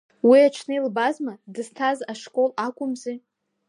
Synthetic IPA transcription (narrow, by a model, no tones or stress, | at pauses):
wiat͡ʃʰnɨilbazmadɨz̥tʰazaʂkʼo̞lakʷʼʊmzi